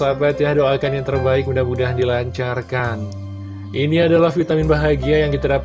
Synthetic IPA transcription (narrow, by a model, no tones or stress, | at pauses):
abat̪jahdoakanjaŋt̪ərbaɪk̚mundahmudaɦdilaɲt͡ʃarkan | ʔiniadalahfit̪amɪnbaɦaɡiajaŋkit̪adap